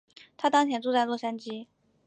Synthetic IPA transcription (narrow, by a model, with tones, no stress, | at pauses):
t̪ʰa˥t̪ɑ˥ŋt͡ɕʰjɛ˧˥nʈ͡ʂu˥˧t͡sa˥˧ɪlwɔ˥˩ʂa˥nt͡ɕi˥